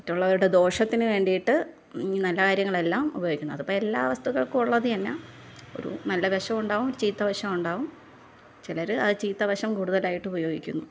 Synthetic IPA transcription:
mɐtːuɭːɐʋɐɾuɽe̞d̪o̞ːʂɐt̪ːinɨʋe̞ːɳɖijiʈːɨ | iinɐlːɐkaːɾjɐŋːɐɭe̞lːaːmṵbɐjoɡikʲːunːuɐðupːoːɭe̞lːaːʋɐst̪uɣɐɭkɨuɭːɐðɨɐnːe | o̞̰ɾṵnɐlːɐbɐɕɐmuɳɖaːʋumoɾut͡ɕiːt̪ːɐʋɐɕɐmuɳɖaːʋum | t͡ɕilɐɾɨɐðɨt͡ɕiːt̪ːɐʋɐɕɐmkuːɽuðɐlaːjiʈːɨubɐjo̞ːɡikʲːunːu

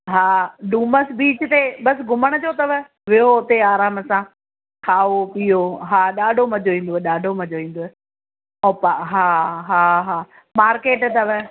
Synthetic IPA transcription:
ɦaːɗũːməsbiːt͡ɕt̪eɓɐsɡʱʊməɽ̃d͡ʑoːt̪ɐʋə | ʋɪjoʊt̪eaːɾaːməsã | kʰaːopijoɦaːɗaːɖʱomɐd͡ʑoʋĩːn̆d̪oːɛɗaːɖʱomɐd͡ʑoʋĩːn̆d̪oːɛ | ɔːpaɦaːɦaːɦaː | maːɾkeːʈt̪ɐʋ

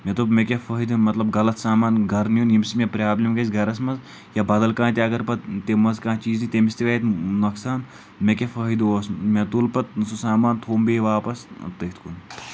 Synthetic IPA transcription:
mʲet̪ubmekʲefɐːid̪mɐt̪lɐbɡɐlɐt̪saːmaːnɡɐɾnijunjimsimʲepɾʲaːblimɡɐsʲɡɐɾɐsmɐz | jabɐd̪ɐlkãːt̪ʲeɐɡɐɾpɐt̪t̪emɐzkãːt͡ʃiːznit̪emist̪eʋeːt̪nɐksaːn | mekʲefɐːɦid̪oːsmet̪ulpɐt̪̚susaːmaːnt̪ʰoːmbeːʋaːpɐst̪ɐit̪kun

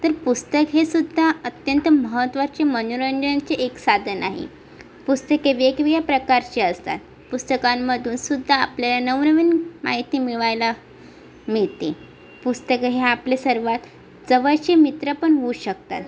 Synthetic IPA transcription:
t̪əɾpust̪əkɦesud̪ʱːaət̪jənt̪əməɦət̪ʋat͡ɕemənuɾəɲd͡ʑəat͡ɕeʔeksad̪ʱənaɦḭ | pust̪əkeʋeɡʋijapɾəkaɾt͡ɕeəst̪a̰t̪ | pust̪əkamːəd̪ʱuːnsud̪ʱːa̰ːpljalanəʋnəʋiːnma̰ɦit̪iːmiɭajla | miɭt̪i | pust̪əkəɦeaplesəɾʋat̪ | d͡zəʋəɭt͡ɕemit̪ɾəpəɳʋuɕəkt̪a̰t̪

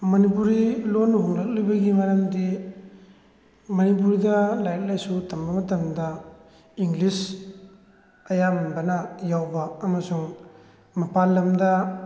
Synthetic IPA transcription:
mɐnipuɾilonɦuŋlak̚lojbɐɡimɐɾɐmdi | mɐnip̬uɾidɐlajɾɐk̚lajsutɐmbɐmɐtɐmdɐ | iŋlis | ɐjamanbɐnɐjawbɐːmɐsuŋ | mɐpalːɐmdɐ

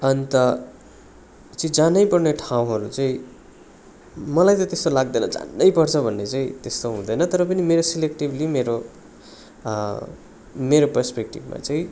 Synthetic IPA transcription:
ʌnt̪ʌ | t͡sʌĩd͡zanʌjpʌrneʈʰaw̃ɦʌɾut͡saĩ | mʌlajt̪ʌt̪est̪olaɡ̚d̪ʌjnʌ̰d͡za̰nːʌjpʌrt͡sʰʌbʱʌnːet͡saĩt̪est̪oɦũd̪ʌjnʌt̪ʌɾʌp̬ʌnimeɾosilek̚ʈiblimeɾo | meɾopʌrspekʈibma̰t͡saĩ

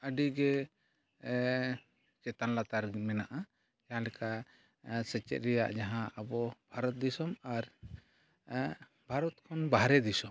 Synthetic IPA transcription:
əɖiɡɛ | t͡ʃɛt̪anlat̪aɾmɛnaʔa | d͡ʒaɦãlɛka | sət͡ʃɛ̰t̪̚ɾɛja̰ʔd͡ʒaɦãəbɔbʱaɾɔt̪̚d̪isɔmaɾ | bʱaɾɔt̪kʰɔnbaɦɾɛd̪isɔm

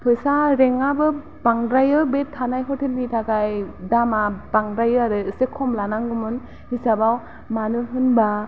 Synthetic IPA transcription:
pʰɯjsaɾeŋabɯ | baŋdɾajɯbetʰːanajɦɔtʰelnitʰaɡajdamabaŋɾajɯaɾɯsekʰɔmlanaŋɡɯmɯn | hisabaw | manɯɦɯnba

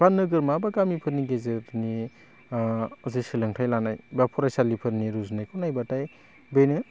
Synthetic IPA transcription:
banɯɡɯɾmabaɡamipʰɯɾniɡezɯɾni | zesilɯŋtʰajlanajbapʰɔɾajsalipʰɯɾniɾuznɯjkʰɔwnajbataj | benɯ

